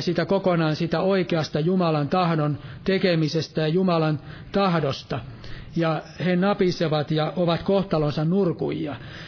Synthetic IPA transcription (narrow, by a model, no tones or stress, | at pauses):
siːt̪ækokonɑːnsiːt̪æoikeɑst̪ɑjumɑlɑnt̪ɑhdont̪ekemisest̪æjɑjumɑlɑn | t̪ɑhdost̪ɑjɑ | henɑpiseʋɑt̪jɑʔoʋɑt̪koht̪ɑlonsɑnnurkṵjɑ